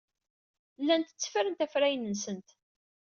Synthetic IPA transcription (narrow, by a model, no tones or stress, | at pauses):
lːænt̪ə̥t͡sːə̥fəɾənt̪æfɾæjənənsənt̪